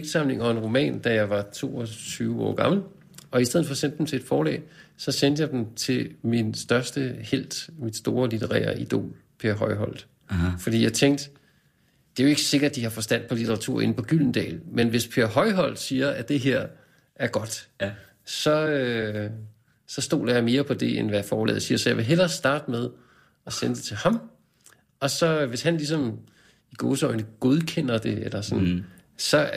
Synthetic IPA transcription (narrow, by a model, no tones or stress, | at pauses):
eɡ̥̚d̥sɑ̈mle̝ŋɒ̽e̝nʁo̝mɛ̰ːnd̥æjɑ̈ɪʋɑ̈t͡sʰo̝̰ːɒt͡sʰyːʊɒ̰ːɡ̥ɑ̈ml̩ | ɒ̽isdeð̰̩ˠfɒ̽sen̰d̥emsʰed̥fɒːlɛ̰ːsɒ̽sen̰d̥əjɑ̈ɪd̥emt͡sʰe̝lminsd̥ɶɐsd̥əhel̰d̥mid̥sd̥o̝ːɐlit͡sʰeʁɛ̰ːɐʔid̥o̝̰ːl | pʰe̝ɐɦɒ̽ɪɦɒ̽l̰d̥ | fɒd̥ḭːjɑ̈ɪt͡sʰeŋ̰d̥ | d̥e̝æjo̝e̝ɡ̥əse̝ɡ̥ɐd̥̚d̥ihɑ̈fɒ̽sd̥æn̰̥pʰɒ̽lit͡sʰeʁɑ̈t͡sʰṵɐ̰e̝nəpʰɒ̽ɡ̥yl̰n̩d̥ɛ̰ːlmenʋe̝spʰe̝ɐɦɒ̽ɪɦɒ̽l̰d̥siːɐæd̥e̝ɦeɐ̰ | æɐɡ̥ɒ̽d̥ | sɒ̽ø | sɒ̽sd̥o̝̰ːlɐjɑ̈ɪme̝ːɐpʰɒ̽d̥e̝ʔḛnʋæjafɒːblɛ̰ːð̩ˠsiːɐsɒjɑ̈ɪʋe̝ɦelɐsd̥ɑ̈ːd̥əmeð̞ˠ | ɒ̽senəd̥e̝t͡sʰe̝lhɑ̈m | ɒ̽sɒ̽ʋe̝shænlis̬ɒ̽m | iɡ̥o̝ːsəɒɪnəɡ̥o̝ð̞ˠkʰen̰ɐd̥e̝elɐsɒnsɒ̽